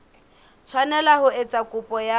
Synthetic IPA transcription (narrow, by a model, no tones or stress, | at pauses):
t͡sʰwanɛlahʊet͡sʼakʼʊpʼɔja